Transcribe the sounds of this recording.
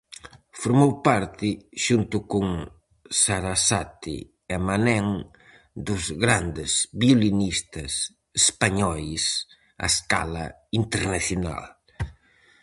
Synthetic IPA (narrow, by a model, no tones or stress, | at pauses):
foɾmowpaɾt̪ɪʃunt̪ʊkʊŋ | saɾasat̪ɪ̰ | ɛmanɛŋ | d̪ʊzɣɾand̪ɪzβiolinist̪ɐs | espaɲɔjs | a̰eska̰lɐ̰ | int̪eɾnaθjona̰l